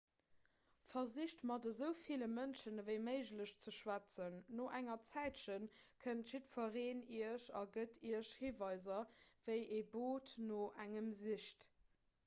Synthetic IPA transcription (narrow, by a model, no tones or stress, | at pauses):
fɐziɕtmɑdəzəʊfiləmənʃənvəɪməɪʒləɕt͡səʃwæt͡sənːoʔæŋɐt͡sæɪtʃən | kʰəntʃitfɐʁeːniəʃɑ̰ɡətʰiəɕhiːvɑɪzɐvəɪʔeːboːtnoʔæŋəmziʃt